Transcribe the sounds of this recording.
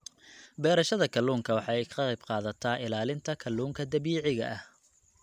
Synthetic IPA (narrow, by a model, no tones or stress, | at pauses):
bɛːɾɐʃɐðɐkʰɐlːuːŋkʰɐwɑħɑɛjqɑɐjbqɑːðɐt̪ʰaːʔɪlaːlɪnt̪ʰɐkʰɐlːuːŋkʰɐd̪ɐβiːʕɪɣɐ̰ʔɐh